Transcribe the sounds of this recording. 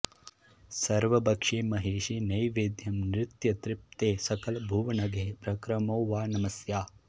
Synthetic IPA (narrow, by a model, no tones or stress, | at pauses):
sɐɾʋɐbɐkʂeːmɐɦeːʃinɐjʋeːd̪ʱjɐmnɾɪt̪jɐt̪ɾɪp̚t̪eːsɐkɐlɐbʱuːʋɐnɐɡʱeːpɾɐkɾɐmoːʋaːnɐmɐsjaː